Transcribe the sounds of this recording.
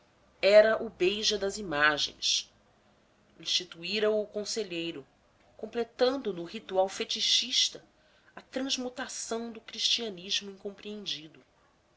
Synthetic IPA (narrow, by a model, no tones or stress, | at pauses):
ɛɾɐʔʊbejʒɐd̪ɐzimaʒḛ̃j̃s | ĩʃt͡ʃit̪uiɾɐʊkõseʎejɾʊ | kõmplet̪ɐ̃nd̪ʊnʊɦit̪uawfet͡ʃiʃiʃt̪ɐ | ɐt̪ɾɐ̃zmut̪asɐ̃w̃d̪ʊkɾiʃt͡ʃiɐniʒmʊĩŋkõmpɾiẽnd͡ʒid̪ʊ